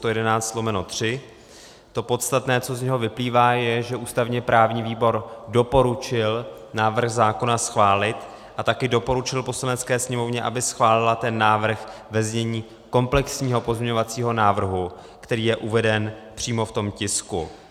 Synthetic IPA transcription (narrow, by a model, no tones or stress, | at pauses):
st̪ojɛdɛnaːt͡st̪t̪lomɛnot̪r̝̥ɪ | t̪o̞po̞t̪st̪at̪nɛːt͡so̞zɲɛɦo̞vɪpliːvaːjɛʒɛʔuːst̪avɲɛpɾʔaːvɲiːviːbo̞ɾdo̞po̞ɾut͡ʃɪl | naːvr̩ɣzaːko̞nasxvaːlɪt̪ | ʔat̪akɪdo̞po̞ɾut͡ʃɪlpo̞slanɛtt͡skɛːsɲɛmo̞vɲɛʔabɪsxvaːlɪlat̪ɛnːaːvr̩xvɛzɲɛɲiː | ko̞mplɛksɲiːɦo̞po̞zmɲɛɲo̞vat͡siːɦo̞naːvr̩ɦu | kt̪ɛɾiːjɛʔuvɛdɛnpr̝̥iːmo̞ft̪o̞mcɪskṵ